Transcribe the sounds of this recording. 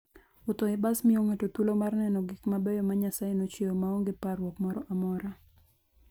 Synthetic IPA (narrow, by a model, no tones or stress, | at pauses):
ʊt̪ɔɪbasmioŋatotulomarnɛnɔɡikmabɛjɔmaɲasajenot͡ʃeomaoŋɡeparwɔkmɔɾɔʔamɔɾa